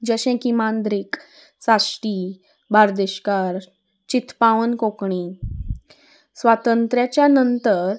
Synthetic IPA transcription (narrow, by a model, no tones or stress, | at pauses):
d͡ʑəɕẽkimand̪ɾik | sasʈi | baɾd̪eɕkaɾ | t͡ɕit̪paʋənkokɳi | sʋat̪ənt̪ɾjat͡ɕjanənt̪əɾ